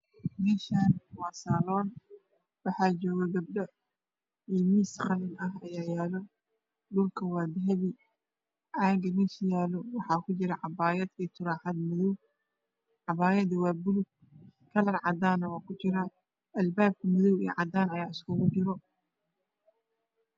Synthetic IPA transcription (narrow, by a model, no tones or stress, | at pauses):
mɪʃaːnwɑːsaːlɔːn | wɑħɑːd͡ʒɔːɣɐɡɐb̚ɖɐ | imiːsqɑlɪnɐɦɐjaːjaːlɔ | ɖʊlkʰɐwɑːd̪ɦɐβi | ʔaːɡɐmɪʃjaːlɔwɑħɑːkʰʊt͡ʃɪɾɐʕɑbaːjɐd̪iːt̪ʰʊɾaːħɑd̪mʊðɔw | ʕɑbaːjɐd̪ɐwɑːbʊlʊɡ̚ | kʰɐlɐrʕɑ̰d̪aːnɐwɑːkʰʊt͡ʃɪɾɐ | ɐlbaːb̚kʰɐmʊðɔwḭj̰ʕɑd̪aːnɐjaːɪskʰʊɣʊt͡ʃɪɾɔ